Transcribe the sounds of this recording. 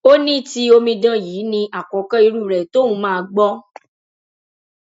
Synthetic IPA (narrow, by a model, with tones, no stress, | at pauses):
o˦nĩ˦ti˧o˧mĩ˧dã˦˨jiː˨˦nĩ˧ʔa˨kɔ̃˨˦kã˦i˧ɾu˦˨ɾɛ˨to˦ũ˨˧˦mãː˦˧ɡ͡bɔ˦